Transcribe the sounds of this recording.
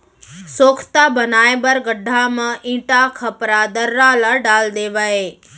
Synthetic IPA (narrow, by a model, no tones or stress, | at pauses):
soːkʰt̪abɐnaːebəɾɡəɖʱːamãʔĩːʈakʰɐpɾad̪ɐɾːalaɖaːld̪eːʋaɦeː